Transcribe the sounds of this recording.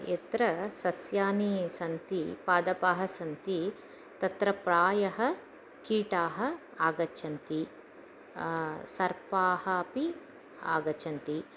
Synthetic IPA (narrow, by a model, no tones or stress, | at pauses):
et̪ɾɐsɐsjaːnisɐnt̪ipaːd̪ɐpaːɦɐsɐnt̪i | t̪ɐt̪ɾɐpɾaːjɐɦɐ | kiːʈaːɦɐ̆ | aːɡɐt͡ʃʰɐnt̪i | sɐɾpaːhɐpi | aːɡɐt͡ʃʰɐnt̪i